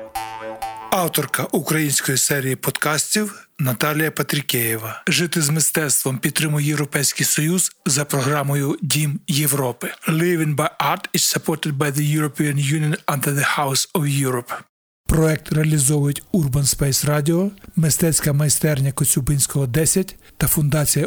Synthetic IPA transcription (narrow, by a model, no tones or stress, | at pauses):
ɑwt̪ɔrkɐʔukɾɐjinʲsʲkɔjisɛɾʲijipɔd̪kɑsʲtʲiwnɐt̪ɑlʲijɐpɐt̪ɾʲɪkʲɛjɪʋɐʒɪt̪ɪzmɪst̪ɛt̪st̪ʋɔmpʲid̪̚t̪ːɾɪmʊjɛjewɾɔpɛjsʲkɪjsɔjuz̥zɐpɾɔɦɾɑmɔjʊdʲimjewɾɔpɪlˠɪʋɪnbɐjʔɑɾt̪ɪt͡ʃsɐpʰɔt̪ɪd̪̚bɐjðɐjuɾɔpʲiɐnjunʲijɔnɐ̃nd̪ɛðɪhawsɔwjuɾɔp | pɾɔɛk̚t̪reɐlʲizɔwʊjʊtʲurbɐnspɛjsrɑdʲɪɔmɪst̪ɛt͡sʲkɐmɐjst̪ɛrnʲɐkɔt͡sʲubɪnʲsʲkɔɦɔd̪ɛsʲɐt̚ʲt̪ɐfʊnd̪ɑt͡sʲijɐ